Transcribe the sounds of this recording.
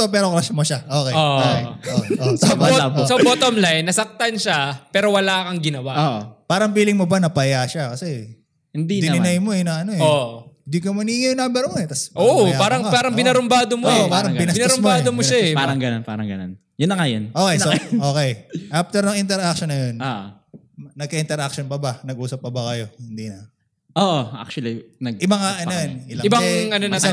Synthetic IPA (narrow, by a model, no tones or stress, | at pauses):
opɛːɾoklaʃɐmoʃaʔoːkejoʔoʔosobɐaposobot̪omlajnːɐsɐk̚t̪ɐnʃapɛːɾo̞wɐlaːkɐŋɡɪnɐwaʔoʔpaːɾɐŋpiːlɪŋmobɐnɐpɐjaʃakɐsɛ | hɪnd̪innɪnɐjmo̞ɛnɐŋɐno̞ɛond̪ikɐmɐniŋɐjnambɛɾmoɛt̪ɐsʔoʔjapaːɾɐŋpaːɾɐŋbɪnaɾʊmbaːd̪omoopaːɾɐŋbɪnɐsɪaɾʊmmaːd̪omoʃaɛpaːɾɐŋɡɐnonpa̰ːɾɐŋɡɐno̰n | jʊnːɐŋɐjonʔoːkɛjsoʔoːkɛjʔaft̪ɛɾɐŋɪnt̪ɛɾak̚ʃonːɐjon | nɐɡ̚kɐʔɪnt̪ɛɾʔak̚ʃonpɐbɐnɐɡ̚ʔuːsɐp̚ːɐbɐkɐjo̞hɪnd̪inɐ | ʔoʔoʔa̰k̚t͡ʃɐlinɐɡɪbɐŋaʔɐnoɛnɪlɐɪbɐŋɐnonɐ